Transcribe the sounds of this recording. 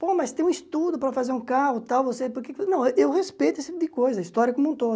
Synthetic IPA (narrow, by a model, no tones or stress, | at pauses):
pomɐst̪ẽj̃ũist̪ud̪ʊpɾɐfazeɾũkaʁʊt̪awvosepoɾkeknɐ̃w̃ʔewʁespejt̪ʊest̪ipʊd̪ɪkojzɐɐist̪ɔɾjɐkomũt̪o